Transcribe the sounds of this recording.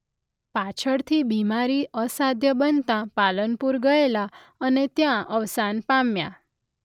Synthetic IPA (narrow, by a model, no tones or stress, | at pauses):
pat͡ʃʰəɽt̪ʰibimaɾiʔəsad̪ʱjəbənt̪ãpalənpuɾɡəela | ənet̪jãʔəʋsanpamja